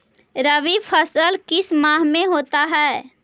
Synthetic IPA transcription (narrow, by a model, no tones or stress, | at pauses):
ɾəʋipʰəsəlkɪsmaːɦmẽɦoːt̪aɦɛː